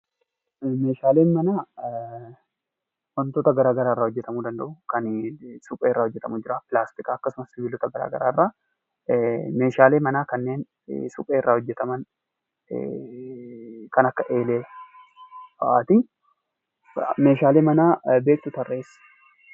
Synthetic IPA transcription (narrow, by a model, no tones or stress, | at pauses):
me̞ːʃaːleːnmɐnaː | wɐnt̪oːt̪ɐɡɐɾaːɡɐɾaːɪrːaːhɔd͡ʒːɛt̪ɐmuːd̪ɐnd̪ɐ̰ʔʊkɐnsʊpʼeːɪrːaːhɔd͡ʒːɛt̪ɐmʊd͡ʒɪɾaːpɪlaːst̪ɪkaːɐkːɐsʊmɐsːɪvɪlːɔt̪ɐɡɐɾa̰ːɡɐ̰ɾaːɪrːaː | me̞ːʃaːleːmɐnaːkɐnːeːn | sʊ̰pʼeːɪrːaːhɔd͡ʒːɛt̪ɐmɐn̰ | kɐnɐkːɐʔe̞ːleː | bɐʔaːt̪ɪ | me̞ːʃaːleːmɐnaːbe̞ːk̚t̪ʊt̪ɐrːe̞ːs